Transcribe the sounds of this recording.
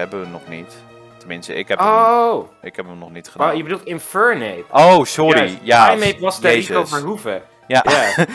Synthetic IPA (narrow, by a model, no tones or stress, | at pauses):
ɛbəənɔχnit | təmɪnstə̰ɪkɛpo | ɪkɦɛpəmnɔχnitχədajəbədulˠtɪnfɛɹnejpowsɔɾijaːmejpɑsdeisɔvəɦufə | jaːja